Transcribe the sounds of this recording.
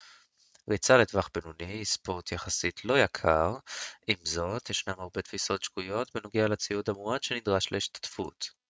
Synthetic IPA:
ʁit͡saletvaχbenunispo̞ʁtjaχasitʰlo̞jakʰaʁimzo̞t̪jeʃnamaʁbe̞t̪fiso̞tʃkujo̞t̪veno̞ɡealat͡siudamuʁadʃenid̪ʁaʃleiʃtḁtfṵt

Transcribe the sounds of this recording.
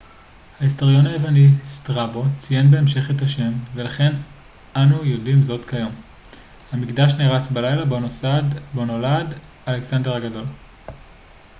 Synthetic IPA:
haisto̞ʁjo̞naevanistʁabo̞t͡sije̞nbe̞ːmʃe̞χetaʃe̞mve̞laχe̞n | anujo̞dimzo̞tkajo̞m | hamikdaʃniʁasbalajlabonosadbono̞lad | aleksande̞ʁhaɡado̞l

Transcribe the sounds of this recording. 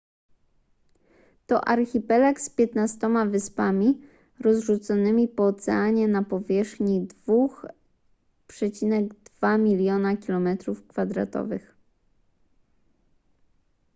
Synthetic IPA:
t̪ɔʔaɾxʲipɛlakspʲjɛt̪nast̪ɔmavɘspamʲi | ɾɔzʐut̪sɔnɘmʲipɔːt̪sɛaɲɛnapɔvʲjɛʂxɲid̪vux | pʂɛt͡ɕinɛɡd̪v̥amʲilʲjɔnakʲilɔmɛt̪ɾufkfad̪ɾa̰t̪ɔ̰vɘ̰x

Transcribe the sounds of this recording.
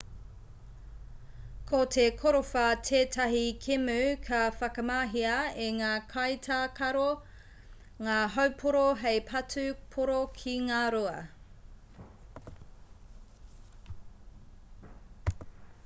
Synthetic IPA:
kʰotʰekʰoɾofɐtʰeːtʰɐɦikʰemʉkʰɐfɐkɐmaːɦiɐeŋaːkʰɐjtʰakʰɐɾo | ŋaːɦɐwpʰoɾoɦejpʰɐtʰʉpʰoɾokʰiŋaːɾoɐ

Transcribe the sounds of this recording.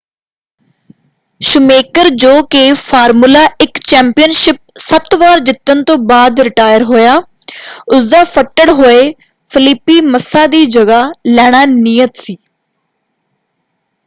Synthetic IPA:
ʃʊmeːkəɾd͡ʒoːkeːpʰaːɾmulaːɪkt͡ʃɛ̃ːmpijənʃɪp̚sət̪ʋaːɾd͡ʒɪt̪ːənt̪õːbaːd̪ɾɪʈaːjəɾɦoːjaː | ʊsd̪aːpʰəʈːəɽɦoːeː | pʰɪlɪpːiːməsːaːd̪iːd͡ʒəɡaːlɛːɽ̃aːnijət̪siː

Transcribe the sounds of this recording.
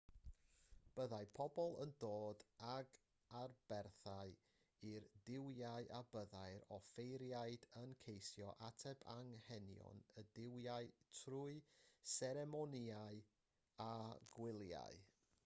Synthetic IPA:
b̥əðajpʰɔbɔlˠə̰ndoːdaɡ | arbɛrθaɨ | irdɪwjaɨʔabəðajɾɔfejɾjaɨdənkʰejsjɔʔatʰɛbaŋhɛnjɔ̰nədɪwjaɨtʰruɨsɛɾɛmɔniaɨ | aɡ̥wɪlˠja̰j

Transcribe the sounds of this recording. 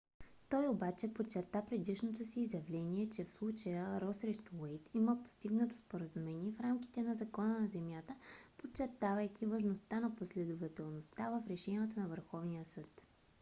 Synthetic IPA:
t̪ɔjobat͡ʃɛpot͡ʃːɛɾt̪apɾɛd̪iʃnot̪osiːzjɐvlɛniɛt͡ʃɛfslˠut͡ʃəjəɾɔsɾɛʃt̪uwɛjt̪iməpo̥st̪iɡnət̪o̥spoɾəzumɛniɛfɾamkʲi̥t̪ɛnɐzɐkɔnənɐzɛmjat̪əpot͡ʃːɛɾt̪avəjk̟ʲivɐʒnost̪anɐposlɛd̪ovɐt̪ɛlˠnost̪avəfɾɛʃɛnʲijət̪ənɐvəɾxɔvnijəsɤt̪

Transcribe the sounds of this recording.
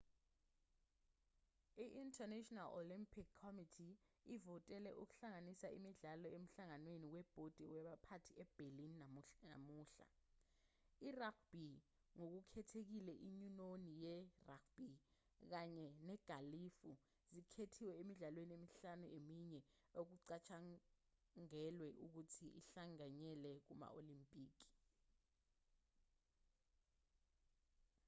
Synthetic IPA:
iʔintʰʼɛnɛtʼɔnalolimpʰikʰːɔmitʰiːvɔtʼɛlɛʔuk̬u̥ɬaŋanisaḭmiɮalɔem̩ɬaŋanwenikwɛb̥ʱod̥ʱiwɛɓapʰatʰiɛb̥ʱelininna̰muːɬa̰ | irak̚b̥ʱi | ŋok̬ukʰɛtʰek̬ilɛʔiɲunonijɛrakʰb̥ʱi | k̬aɲɛnɛɡ̥ʱalifu | zikʰetʰiwɛemiɮalweniemiɬanuemiɲɛ | ok̬uǀat͡ʃʰa | ŋɛlwɛʔuk̬utʰiʔiɬaŋaɲɛlɛk̬uma̰olimpʼiːk̬i̥

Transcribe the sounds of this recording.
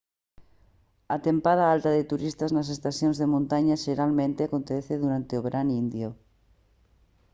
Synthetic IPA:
at̪empaðaalt̪ɐðet̪uɾist̪aznɐs̬est̪asjõnzðemõnt̪aɲaʃeɾalmẽnt̪eakont̪ɛθeðuɾant̪eoβeɾʔanind̪jo

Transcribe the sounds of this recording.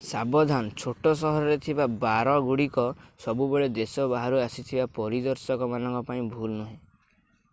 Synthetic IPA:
sabɔd̪ʱanɔt͡ʃʰoʈɔs̬ɔɦɔɾɔɾet̪ʰibabaɾɔɡuɽikɔsɔbubeɭed̪esɔbaɦaɾuasit̪ʰibapɔɾid̪ɔɾsɔkɔmanɔŋkɔpaĩbʱulnuɦẽ

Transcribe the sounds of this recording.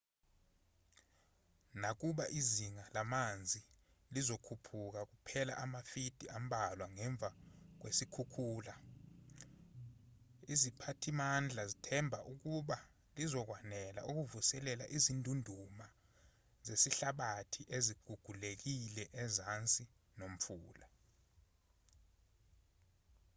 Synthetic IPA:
nak̬uɓaʔiziŋalamand͡zʱi | lizokʰupʰuk̬ak̬upʰɛla̰ʔamafid̥ʱiambʱalwaŋɛɱb̪vʱak̬wesikʰukʰuːla | izipʰatʰimand͡ɮʱazitʰɛmbʱaʔuk̬uɓa | lizɔk̬wanɛla̰ʔuk̬uvusɛlɛlaʔizintʼundʱuma | zesiɬaɓatʰiʔeziɡ̥ʱuɡ̥ʱulek̬ilɛʔɛzant͡sʼi | nom̩fuːla

